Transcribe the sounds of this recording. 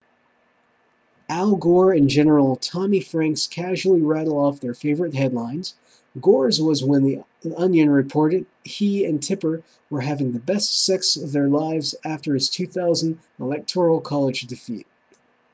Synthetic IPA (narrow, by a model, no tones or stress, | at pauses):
ælˠɡɔɹɨ̃nd͡ʒɛnə˞l̩ˠtʰɑmifɹæ̃ŋkskʰæʒul̩ˠiɹæɾl̩ˠɔfðə˞feɪvə˞ɨt̚ɦɛdˡlãɪ̃nz̥ | ɡɔɹzwʌzwə̃nði | ʌ̃njɨ̃nɹɨpʰɔɹɾɨd̚hiɨ̃ntʰɪpə˞ | wə˞ɦævɪ̃ŋðɨbɛstsɛksʌvðə˞laɪvzæftə˞ɨz̥tʰʉθaʊz̃n̩d | əlɛk̚tʰɔɹl̩ˠkʰɑlˠəd͡ʒdɨfḭt̚